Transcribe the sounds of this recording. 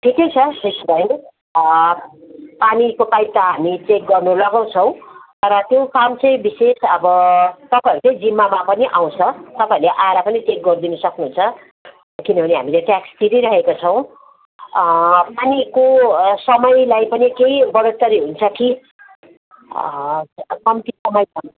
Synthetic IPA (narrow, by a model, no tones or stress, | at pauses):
ʈʰikejt͡sʰʌd̪esib̪ʱʌn | panikopajt̪ʌɦamit͡sek̚ɡʌrnulʌɡaw̃t͡sʰʌw̃t̪ʌɾʌt̪jopamt͡sʌj̃bisesʌbʌt̪ʌpajʌɾut͡sʌj̃d͡zimːamapʌniʔaw̃t͡sʰʌt̪ʌpãjuɾleʔaeɾapʌnit͡sek̚ɡʌrd̪inʌsʌknuɦunt͡sʰʌ | kinʌbʱʌneɦa̰mileʈjakst̪iɾiɾʌɦekot͡sʰʌw̃ | panikosʌmʌjlajpʌnikejbʌɽot̪ːʌɾiɦunt͡sʰʌki | kʌmt̪isʌmʌjpʌn